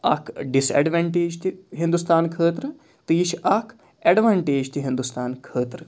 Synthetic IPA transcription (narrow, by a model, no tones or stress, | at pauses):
a̰kʰɖisɛ̰ɖʋaːɳʈeːd͡ʒt̪iɦind̪ust̪aːnkʰəːt̪ɾə | t̪iiʃakʰ | eɖʋaːɳʈeːd͡ʒt̪ʰiɦĩnd̪ust̪aːnkʰəːt̪ɾə